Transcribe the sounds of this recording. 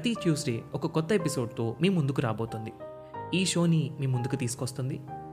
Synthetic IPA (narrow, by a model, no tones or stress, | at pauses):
pɾɐt̪it͡ʃjuːsɖeːɔkɐkɔt̪ːɐepiso̞ːɖ̚t̪o̞ːmiːmund̪ukuɾaːbo̞ːt̪und̪i | iːʃo̞ːnimiːmːund̪ukut̪iːsu̥kɔst̪und̪i